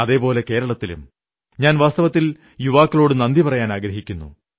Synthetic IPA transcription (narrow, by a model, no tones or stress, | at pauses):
ɐðe̞ːpo̞ːle̞ke̞ːɾɐɭɐt̪ːilṵm | ɲaːnʋaːst̪ɐʋɐt̪ːil | juʋaːkːɐlo̞ːɽɨnɐnd̪ipɐrɐjaːnaːɡɾɐɦikʲːunːṵ